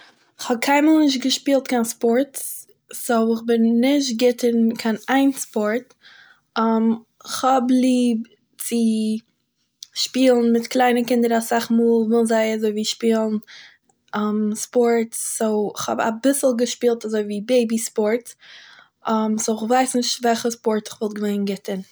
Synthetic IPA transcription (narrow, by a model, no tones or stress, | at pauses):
ɪχhɔb̚kʰaɪməlˠnɪʃ̬t̚ɡəʃpiːlˠtkʰanspɔɾts | soʊɪχbɪnːɪʃtɡɪtənkʰanaɪnspɔɾt | am | ɪχhɔblˠiːb | t͡sɪ | ʃpiːlˠn̩mɪtklˠaɪnəkɪndəɾasaχmuːlˠvɪlˠzaɪazoɪviːʃpiːlˠn̩ | amspɔɹtːoʊɪχhɔ̰ba̰bɪsl̩ˠɡəʃpiːlˠtazoɪviːbeɪbispɔɾt | amsoʊɪχvaɪsnɪʃtvɛlˠχəspɔɾtɪ̥χvɔlˠɡəveɪnɡɪtən